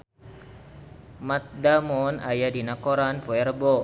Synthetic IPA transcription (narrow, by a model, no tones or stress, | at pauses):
mat̪̚damɔnajadinakoɾanpoɛrbo